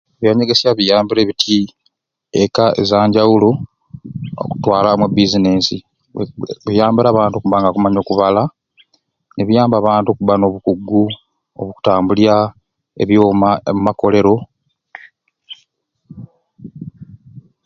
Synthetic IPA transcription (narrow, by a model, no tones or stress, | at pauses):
βjaːɲeɡe̞sjaβijaːmbiɾe̞ːβitʰi | ekaḛzaːɲɟawulo | o̰ku̥twaːlamubizine̞si | βujaːmbiɾaːβaːntuokuβaːŋɡakumaɲo̞ːkuβala | neβijaːmbaːβaːntuo̞kuβano̞ːβukuɡːu | o̰βuku̥taːmbulja | ḛβjoːmumako̞le̞ɾo̞